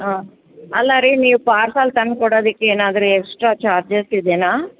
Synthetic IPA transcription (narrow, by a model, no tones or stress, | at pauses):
ɦaː | ɐlːaɾiniːʋupaːɾsaːlt̪ɐnkoɽoːd̪ikːeeːnaːd̪ɐɾueksʈɾaːt͡ʃaːɾd͡ʒesid̪enaː